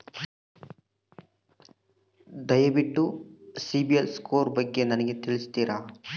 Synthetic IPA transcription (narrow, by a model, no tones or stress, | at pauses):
d̪ɐjɐbiʈːusibielskoːɾbɐɡːe̞nɐnɐɡe̞t̪iɭisit̪iːɾa